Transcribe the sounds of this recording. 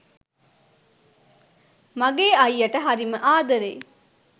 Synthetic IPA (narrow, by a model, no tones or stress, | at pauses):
mɐɡeːɐjːɐʈəɦɐɾiməʔaːd̪ɐɾḛː